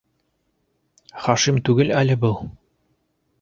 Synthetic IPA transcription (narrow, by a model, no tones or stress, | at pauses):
χɑʃimt̪ʉɡɘlælɘ̆bɤlˠ